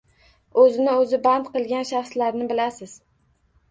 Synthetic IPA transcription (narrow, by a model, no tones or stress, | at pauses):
ɵzɪnɪɵzɪband̪qɨlˠɡʲanʃaχslaɾnɪbɪlasɪz̥